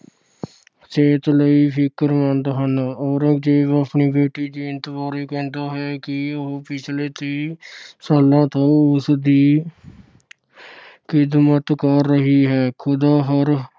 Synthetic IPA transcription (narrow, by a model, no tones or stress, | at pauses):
t͡ʃeːt̪ləiːpʰɪkəɾmənd̪ɦənɔːɾd͡ʒeːəpɳiːbeːʈiːd̪iːɪnt̪əʋaːɾiːkɛ̃ːnd̪aːɦɛːkɪoɦpɪt͡ʃʰleːt̪iːsəlãːt̪õːʊsd̪iː | kɪd̪mət̪kəɾːəɦiːɦɛːkʰʊd̪aːɦəɾ